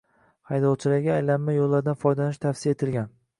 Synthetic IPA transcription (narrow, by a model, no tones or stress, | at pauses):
hɑjd̪ɒwt͡ʃʰɪlaɡʲaajlamːajolːaɾd̪anfɒjd̪anɪʃt̪ʰafsɪjaet̪ʰɪlɡʲan